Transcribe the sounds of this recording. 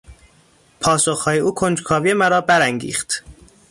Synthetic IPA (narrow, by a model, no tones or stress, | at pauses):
pʰɒːsoxhɒːjeʔuːkʰond͡ʒkʰɒːvijemæɾɒːbæɾæŋɟḭːxt̪